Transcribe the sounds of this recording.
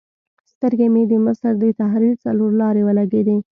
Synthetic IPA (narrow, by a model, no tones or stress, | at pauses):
st̪əɾɡemed̪əməsəɾd̪ət̪aɦɾiɾt͡saloɾlɑɾewəlaɡed̪e